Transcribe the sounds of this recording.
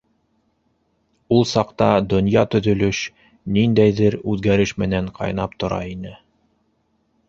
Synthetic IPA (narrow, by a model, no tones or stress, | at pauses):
ulˠsɑqt̪ɑd̪ŏnjɑt̪ɵ̆ðɵ̆lɵʃ | nind̪æjðɘɾʉðɡæɾɘʃmɘ̆næɴqʰɑ̰jnɑp̚t̪ŏɾɑ̰inɘ